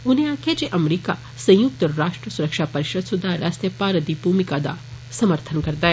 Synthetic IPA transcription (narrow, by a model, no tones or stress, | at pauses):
ʊnẽãkʰed͡ʒeʔɐmɾika | sɐ̃jʊk̚t̪əɾaːʂʈɾəsuɾəkʃapɐɾɪʃəd̪sud̪ʱaɾaːst̪jəpaːɾəd̪ibuːmikad̪a̰ | sɐməɾt̪ʰənkɐɾt̪aɦe